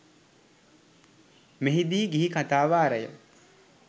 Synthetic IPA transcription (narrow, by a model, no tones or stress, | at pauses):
meɦid̪iːɡiɦikʰat̪aːʋaːɾəjə